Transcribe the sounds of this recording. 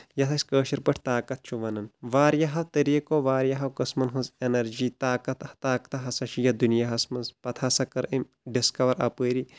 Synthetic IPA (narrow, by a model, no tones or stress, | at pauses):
jɐt̪ʰɐsʲkəːʃɐɾpɐʈʰt̪aːkɐt̪̚t͡ʃʰuʋɐnɐnʋaːɾjɐɦɐwt̪ɐɾiːkoːʋaːɾjɐɦɐwkɐsmɐnɦɐnzenɐɾd͡ʒiːt̪aːkɐt̪ɐht̪aːkt̪ɐɦɐsɐʃijɐd̪unjaɦɐsmɐnzpɐt̪ʰasɐkɐɾim | ɖiskɐʋɐɾɐ̰pəːɾi